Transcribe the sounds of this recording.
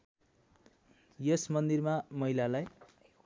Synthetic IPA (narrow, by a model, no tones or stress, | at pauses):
jesmʌnd̪irmamʌɦilalaj